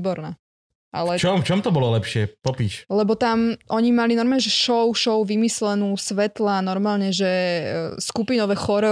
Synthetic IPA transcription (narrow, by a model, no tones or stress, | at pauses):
bɔɾnaː | ʔa̰lɛt͡ʃɔmft͡ʃɔmt̪ɔbɔlɔlɛpʃɪɛpɔpiːʃlɛbɔt̪amʔɔɲimalinɔɾmaːɲɛʒɛʃɔʊʃɔʊʋimislɛnuːsʋɛt̪lanɔɾmaːlɲɛʒɛskupinɔʋɛxɔɾɛ